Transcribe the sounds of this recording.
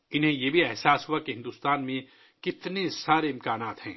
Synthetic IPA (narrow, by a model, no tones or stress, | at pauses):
ɪnɦẽjebʱiɛɦsaːsɦuakeɦɪ̃nd̪uːst̪aːnmẽ | kɪt̪nesaːɾeɪ̃mkaːnaːt̪ɦɛ̰̃ː